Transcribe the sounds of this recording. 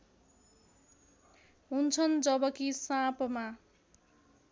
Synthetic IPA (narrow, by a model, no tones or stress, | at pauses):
ɦunt͡sʰʌnd͡zʌbʌkisãpma